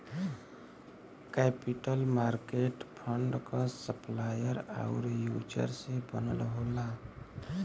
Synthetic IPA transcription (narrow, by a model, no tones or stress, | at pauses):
kepiʈəlmaɾkeʈpʰəɳɖkɔsəplajəɾa̰ʊɾjud͡ʒə̰ɾsẽbənə̰lɦola